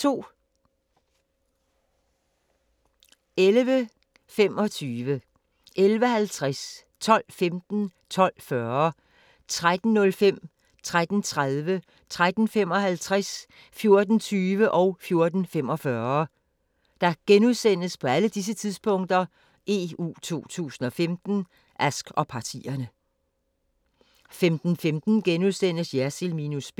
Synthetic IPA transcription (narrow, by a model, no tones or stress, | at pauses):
t͡sʰo̝̰ː | elʋə | fem̰ɒ̽t͡sʰyːʋə | ʔelʋəhælt͡sʰʁas | t͡sʰɒ̽l̰femd̥n̩t͡sʰɒ̽l̰fɶɐ | t͡sʰʁad̥n̩ːɔ̽lfem̰ | t͡sʰʁad̥n̩t͡sʰʁaðˠʋə | t͡sʰʁad̥n̩fem̰ɒ̽hælt͡sʰʁas | fjo̝ɐd̥n̩t͡sʰyːʋəʔɒ̽ʊfjo̝ɐd̥n̩fem̰ɒ̽fɶːɐ | d̥ɑ̈ɡ̥enuðˠsen̰əspʰɒ̽æləd̥is̬ət͡sʰiðˠspʰɔ̽ŋ̰d̥ɐ | ʔe̝ṵːt͡sʰo̝̰ːt͡sʰṵːsn̩ɒ̽femd̥n̩ | ʔæsɡ̥ɒ̽pʰɑ̈t͡sʰḭɐnə | femd̥n̩femd̥n̩ɡ̥enuðˠsen̰əsjæselmiːnusb̥